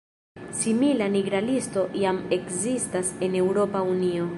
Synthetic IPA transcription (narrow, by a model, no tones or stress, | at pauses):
similaniɡɾalisto̞jame̞kzistase̞ne̞wɾo̞paunio̞